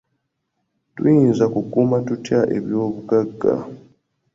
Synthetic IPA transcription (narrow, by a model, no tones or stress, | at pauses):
twinzakukuːmatutjaʔe̞̰βjo̞ːβuɡaɡːa̰